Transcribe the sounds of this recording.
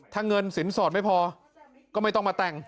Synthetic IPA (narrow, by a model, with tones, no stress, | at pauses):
t̪ʰaː˥˩ŋɤ˧nsi˩˦nsɔː˨˩t̪̚ma˥˩jpʰɔː˧ | kɔː˥˩ma˥˩jt̪ɔ˥˩maː˧t̪ɛ˨˩ŋ